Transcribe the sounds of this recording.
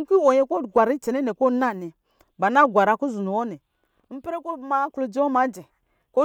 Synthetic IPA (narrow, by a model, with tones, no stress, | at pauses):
ŋ̩˦ki˦o˨ɲe˦ko˦˨ɡʷa˨ɾi˦t͡ʃe˨ne˦ne˨ko˦na˦˨ne˨ | ba˨na˦ɡʷa˨ɾa˨ku˦zu˨nu˨wo˦ne˨˦ | m̩˦pe˦ɾe˦ko˦ma˦klu˨d͡ʒi˦wo˦ma˨˦d͡ʒe˨ | ko˦